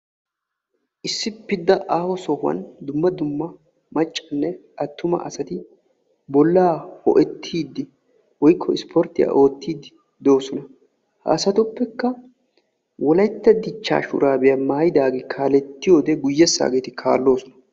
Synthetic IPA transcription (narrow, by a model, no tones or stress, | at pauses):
ʔɪsːɪpːɪd̪ːɐʔaːwɔsɔhwɐ̰nd̪ʊmːɐd̪ʊmːɐ | mɐt͡ʃʼːɐnːɛʔɐt̪ːʊmɐ̰ɐsɐt̪ɪ | bɔlːaːhɔ̰ʔɛt̪ʰːiːd̪ːɪ | wɔjkʰːɔɪspʰɔɾt̪ɪja̰ːʔo̞ːt̪ːiːd̪ɪ | d̪o̞ːsɔnɐ | hɐ̰ːsɐt̪ʊpːɛkːɐ | wɔlɐjt̪ːɐd̪ɪt͡ʃːa̰ːʃʊ̰ɾaːbɛjamaːjɪd̪aːɡekʰaːlɛt̪ːɪjo̞ːd̪ɛɡʊjːɛsːa̰ːɡeːt̪ɪkʰa̰ːlːo̞ːsɔnɐ̥